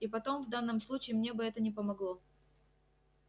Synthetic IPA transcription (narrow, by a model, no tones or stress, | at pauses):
ipɐt̪o̞mvd̪anːəmslˠut͡ɕɪːmnʲe̞bɨɛt̪ənʲɪpəmɐɡlˠo̞